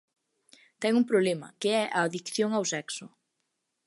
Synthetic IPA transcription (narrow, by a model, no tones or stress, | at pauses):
t̪ɛŋuŋpɾoβlemɐ̰keɛʔaːðikθjoŋawsɛksʊ